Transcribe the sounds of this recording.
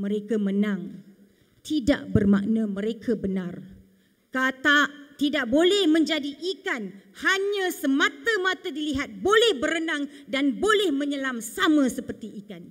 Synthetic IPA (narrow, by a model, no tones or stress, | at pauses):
mə̃ɾekamənãŋ | t̪ida̰ʔbərmaʔnãmə̃ɾekʰabənãr | kat̪aʔt̪idaʔ̚bolɛhmə̃ɲd͡ʒadiʔːkanhaɲãsəmãt̪əmãt̪adiliɦat̪̚bolɛhbəɾənãŋdanbolɛhmə̃ɲəlamsamə̃səpərt̪iʔːkan